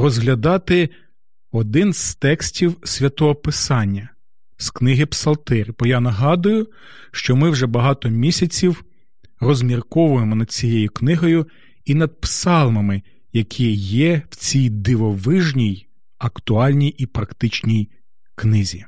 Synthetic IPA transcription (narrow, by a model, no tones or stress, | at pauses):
rɔzɦlʲɐd̪ɑt̪ɪ | ɔd̪ɪnz̥t̪ɛksʲtʲiwsʲʋʲɐt̪ɔɦɔpɪsɑnʲːɐ | sknɪɦɪpsɐlˠt̪ɪɾʲbɔjanɐɦɑd̪ʊjʊ | ʃt͡ʃɔmɪwʒɛbɐɦɑt̪ɔmʲisʲɐt͡sʲiw | rɔzʲmʲirkɔʋʊjemɔnɐd̥̪̚ʲt͡sʲijejʊknɪɦɔjʊ | inɐd̪̚psɑlˠmɐmɪ | jɐkʲʰijɛwt͡sʲijd̪ɪʋɔʋɪʒnʲij | ɐkt̪ʊɑlʲnʲijʔipɾɐkt̪ɪt͡ʃnʲij | knɪzʲi